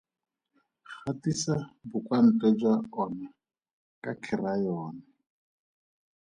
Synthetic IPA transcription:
χatisabʊkwan̩tʼɛd͡ʒwaɔna | kʼakʰɪrajɔːna

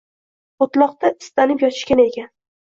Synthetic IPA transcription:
ot̪lˠɒq̚t̪aʔɪ̥st̪anɪpjɒt͡ʃʰɪ̥ʃkʲane̞kʲan

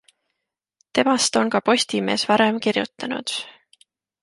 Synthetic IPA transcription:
t̪e̞mɑst̪o̞nkɑpo̞sʲt̪ime̞ːsvɑɾe̞mkirjut̪ːˑɑnṵd̪̥

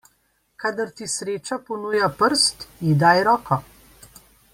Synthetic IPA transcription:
kad̪əɾt̪isɾeːt͡ʃapɔnuːjapəɾst̪id̪aːjɾɔːkɔ

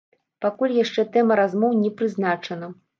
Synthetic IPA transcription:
pakulʲjaʂt͡ʂɛt̪ɛmɐɾazmɔwnʲɛpɾɨznat͡ʂɐnɐ

